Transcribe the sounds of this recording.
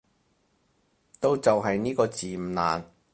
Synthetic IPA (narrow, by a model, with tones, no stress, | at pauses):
t̪o˥˧wt͡sɐ˨wɦɐ˨jniː˥kɔː˧t͡siː˨˩m̩˨˩na̰ː˨˩n